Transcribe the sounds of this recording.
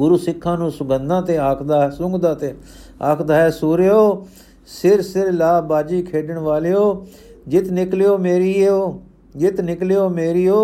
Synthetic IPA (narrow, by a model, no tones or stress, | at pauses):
ɡʊɾuːsɪkʰːãːnũːsʊɡənd̪ãːt̪eːaːkʰd̪aːsʊ̃ŋɡd̪ãːt̪eː | aːkʰd̪aːɦɛːsuːɾeːoː | sɪɾsɪɾlaːbaːd͡ʒiːkʰeːɖəɳʋaːleːoː | d͡ʒɪt̪nɪkljoːmeːɾiːoː | d͡ʒɪt̪nɪklejoːmeːɾiːoː